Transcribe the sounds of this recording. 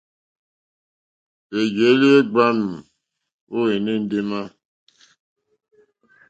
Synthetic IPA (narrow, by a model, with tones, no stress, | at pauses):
e˨ɡe˨˦li˦e˦ɡ͡ba˦nu˨ | o˦e˨ne˦n̩˦de˦ma˦